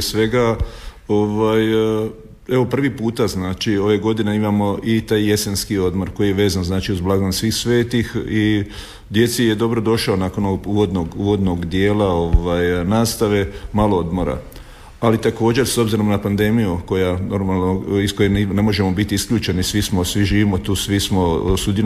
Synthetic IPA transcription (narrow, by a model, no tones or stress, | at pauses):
esʋe̞ɡa | o̞ʋaj | e̞ʋo̞pr̩ʋipuːt̪aznaːt͡ʃio̞ʋe̞ɡo̞d̪ineimamo̞ʔit̪aːjje̞se̞nskio̞d̪mo̞ɾko̞jijeʋe̞ːzanznaːt͡ʃiuzblˠaɡonsʋiːxsʋe̞ːt̪ixi | d̪je̞t̪sije̞d̪o̞bɾo̞d̪o̞ʃaonaːko̞noɡuːʋo̞d̪noɡuːʋo̞d̪no̞ɡd̪je̞ːlao̞ʋajnaːst̪aʋe̞malˠo̞o̞d̪mo̞ɾa̰ | alit̪ako̞ːd͡ʑe̞ɾso̞bziɾo̞mnapand̪e̞mijuko̞jano̞ɾmalˠnoiskojeine̞mo̞ʒe̞mo̞bit̪iiskʎʲuːt͡ʃe̞nisʋismo̞sʋiʒiːʋimot̪uːsʋismo̞sud̪i